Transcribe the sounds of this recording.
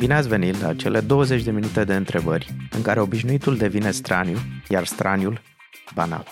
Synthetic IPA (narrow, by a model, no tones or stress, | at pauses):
bineat̪sʲve̞nit̪lat͡ʃe̞lʔe̞d̪o̞wəze̞t͡ʃʲd̪e̞minut̪e̞d̪e̞ɨnt̪ɾe̞bərʲɨ̰ŋkaɾe̞o̞biʃnuit̪uld̪e̞vine̞st̪ɾanjujarst̪ɾʔanjul | bana̰l